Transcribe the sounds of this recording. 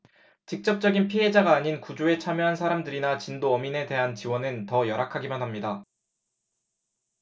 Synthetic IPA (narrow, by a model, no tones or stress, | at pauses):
t͡ɕik̚t͡ɕ͈ʌp̚t͡ɕ͈ʌɡinpʰiɦe̞d͡ʑaɡaːɲinkud͡ʑoe̞t͡ɕʰamjoɦansʰaɾamdɯɾinat͡ɕindoʌmine̞de̞ɦant͡ɕiwʌnɯntʌjʌɾakʰaɡimanɦamɲida